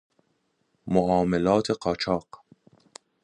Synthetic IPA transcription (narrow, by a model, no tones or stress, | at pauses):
moʔɑːmalɑːt̪ʰeqɑt͡ʃʰɑːq